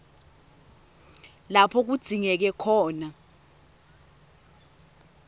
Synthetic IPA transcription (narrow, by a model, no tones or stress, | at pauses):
lapʰɔk̬ud̥ʱiŋɛk̬ɛkʰɔːna